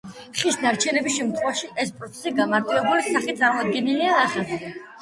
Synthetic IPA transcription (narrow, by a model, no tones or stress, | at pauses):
χisnaɾt͡ʃʰɛnɛbisʃɛmt̪ʰχɛvaʃiɛspʼɾɔt̪sʰɛ̥siɡamaɾt̪ʼiɛbulisaχit̪sʼaɾmɔd̪̚ɡɛniliaːχɛ